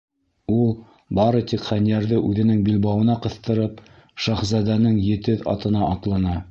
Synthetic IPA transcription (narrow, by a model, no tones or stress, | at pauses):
ulˠ | bɑɾɤt̪ikχænijæɾðɘʔʉðɘ̆nɘŋbilbɑwɤ̆nɑqɤ̆θt̪ɤ̆ɾɤp | ʃɑχzɑd̪ænɘŋjɘ̆t̪ɘðɑ̰t̪ɤ̆nɑʔɑt̪lˠɑnɑ